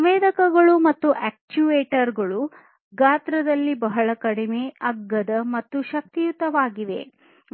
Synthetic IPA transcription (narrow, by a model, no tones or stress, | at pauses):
ɐʋeːd̪ɐkɐɡɐɭumɐt̪ːuʔæːk̚t͡ʃuʋeːʈɐɾɡɐɭu | ɡaːt̪ɾɐd̪ɐlːibɐɦɐɭɐkɐɽimeɐɡːɐd̪ɐmɐt̪ːuʃɐk̚t̪ijut̪ɐʋaːɡiʋe̞̰